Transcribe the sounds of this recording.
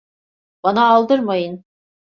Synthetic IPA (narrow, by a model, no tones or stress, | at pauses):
banaːlˠd̪ɯɾmajɯn